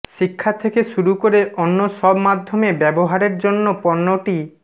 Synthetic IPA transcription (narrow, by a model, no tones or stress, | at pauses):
ʃikʰːat̪ʰekeʃuɾukoɾeʔonːoʃɔbmad̪ʱːomebɛboɦaɾeɾd͡ʑonːopɔnːoʈi